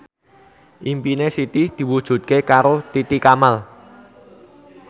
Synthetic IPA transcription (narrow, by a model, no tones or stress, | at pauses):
ʔimpinesit̪ihd̪̥i̤wud̥ʒ̥ṳt̪̚kekaɾot̪it̪ikamal